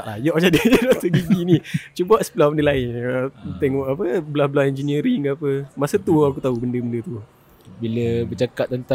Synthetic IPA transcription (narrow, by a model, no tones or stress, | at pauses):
ʔlajɔʔd͡ʒadad͡ʒadasəɡiɡinit͡ʃubaʔsə̥pəlabəndəlaɪnət̪ɛŋɔʔapəbəlabəlahɛnd͡ʒəniəɾiŋapəmasət̪uakut̪aubəndəbəndət̪u | biləbət͡ʃakat̪̚ːənt̪a